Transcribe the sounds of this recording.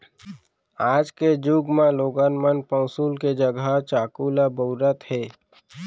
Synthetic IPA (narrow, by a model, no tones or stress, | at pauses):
aːd͡ʒked͡ʒuɡmãloːɡaːnmənpə̃ːsuːlked͡ʒəɡat͡ʃaːkuːlaboːɾət̪hɛː